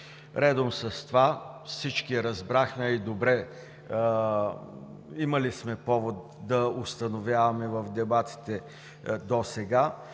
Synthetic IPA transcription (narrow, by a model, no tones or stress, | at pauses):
ɾɛd̪omsɐst̪ovafsit͡ʃkiɛɾɐzbɾaxmɛid̪obɾɛ | imɐlismɛpɔvot̪̚ | d̪ɐost̪ɐnovʲjavɐmɛvɐfd̪ɛbat̪i̥t̪ɛ | d̪osɛɡa